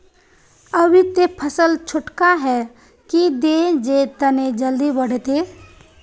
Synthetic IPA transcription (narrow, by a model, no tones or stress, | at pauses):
əbit̪epʰəsəlt͡ʃʰʊʈkaɦɛ | kid̪ed͡ʒet̪ɐned͡ʒəld̪ibəɽ̤et̪e